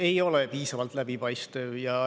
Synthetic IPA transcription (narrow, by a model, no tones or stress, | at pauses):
e̞jo̞lepiːsɑvɑlt̪ˑlæb̥ipɑjst̪evjɑ